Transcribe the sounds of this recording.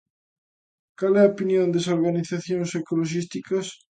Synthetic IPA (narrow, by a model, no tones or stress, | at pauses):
kalɛɐopinjõnd̪esoɾɣaniθaθjõŋsekoloʃ̬ist̪ikɐs